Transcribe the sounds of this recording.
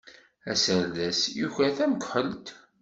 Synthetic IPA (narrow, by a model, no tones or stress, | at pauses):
æ̰səɾðæsjuçæθæməkħəlt̪